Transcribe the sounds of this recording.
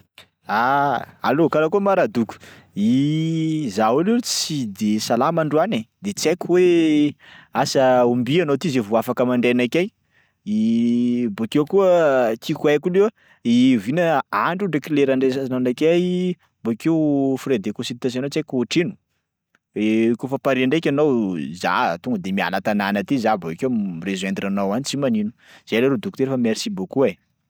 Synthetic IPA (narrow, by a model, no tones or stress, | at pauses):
aa̰lokalakuəmaɾad̪ukʲu̥ | i | zawulet͡sid̪esalamaɳɖ͡ʐuaned̪et͡sakʲuwe | asəumbianot̪izevuafakəmaɳɖ͡ʐenakʲaj | i | bokewkuət̪ikwakulew | ivinəaɳɖ͡ʐuɖ͡ʐəkileɾaɳɖ͡ʐesaananakʲaj | bokewfɾed̪ekosit̪as̬anot͡sajkouʈ͡ʂinu̥ | ekofapaɾiɳɖ͡ʐekʲanowza̰t̪uŋɡəd̪emia̰nat̪ananət̪izaboikemrezwend̪inanowanit͡simaninu̥ | z̥eleɾod̪uku̥t̪eɾefameɾisibokuaj